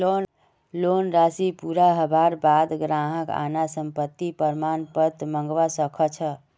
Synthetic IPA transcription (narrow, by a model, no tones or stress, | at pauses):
o | lonɾasipuɾaɦəbaɾbad̪ɡɾaɦəka̰nasəmpət̪ːipəɾmanpət̪məŋɡʋasəkʰət͡ʃʰə